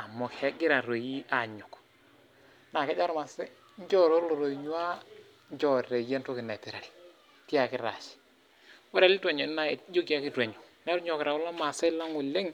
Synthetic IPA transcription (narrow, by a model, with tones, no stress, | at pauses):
a˨mɔ˨ke˦ɡɪ˦ɾa˨ɾo˨ji˦a˨ɲo˨k | na˨kɛ˦d͡ʒa˦ɾma˨se˦ | ɲ˦d͡ʒɔ˦ɾo˦ɾlo˨ɾo˨i˨ɲu˦a˦ | d͡ʒɔ˨ɾe˨je˦nto˦kɪ˨nɛ˨ti˨ɾa˨ɾi˨ | ti˦a˨kɪ˦ɾa̰˨ʃi̥˨ | wɔ˦ɾe˨li˦ta˨ɲo˨n˦na˨˦d͡ʒo˦ki˨a˦kɪ˦twa˨ɲo˨nɛ˦ɾɲɔ˨kɪ˨ɾa˨wɔ˦la˦ma˨se˦la˦ŋu˨le˦ŋ